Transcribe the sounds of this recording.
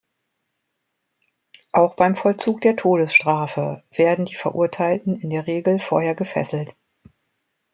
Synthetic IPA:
ʔaʊxb̥aɪmfɔlt͡suːk̚d̥eːɐtʰoːdəsʃtʁ̥aːfəv̥eːɐdn̩diːfɛɐʔṵɐtʰaɪltn̩ɪndeːɐʁeːɡl̩foːɐheːɐɡəfɛ̰sl̩t

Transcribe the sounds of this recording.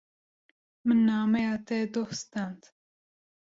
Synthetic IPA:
mɨnːɑːmejɑːt̪ɛd̪ohst̪and̪

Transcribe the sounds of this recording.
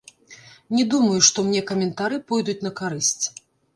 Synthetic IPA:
nʲɛd̪umɐjuʂt̪ɔmnʲɛkɐmʲɛnt̪aɾɨpɔjd̪ut͡sʲnɐkaɾɨsʲt͡sʲ

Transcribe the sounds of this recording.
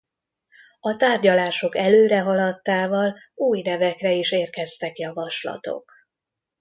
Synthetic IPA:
ɒt̪aːrɟɒlaːʃo̞kɛløːɾɛɦɒlɒt̪ːaːvɒluːjnɛvɛkrɛiʃeːrkɛst̪ɛkjɒvɒʃlɒ̰t̪o̞̰k

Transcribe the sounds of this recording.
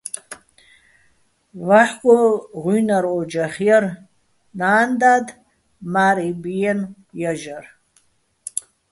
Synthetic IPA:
vaħkʷʼɔʁʷujnaɾɔd͡ʒaχjɛr | naːnd̪ad̪ | maɾibjɛn | jaʒar

